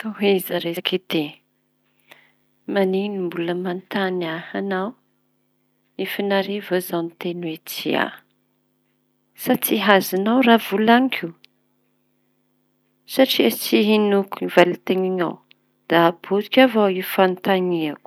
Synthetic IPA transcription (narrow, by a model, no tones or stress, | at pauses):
t̪oɦizaɾekit̪e | maninimbuləmant̪anahanaw | efinaɾevozawnit̪enwet͡sḭa̰ | sat͡siɦazanawravulaŋkʲʰu | saʈ͡ʂiət͡siɦinukuivalit̪eŋiɲaw | d̪̥ab̥ut̪kʲavawifant̪aɲiaku̥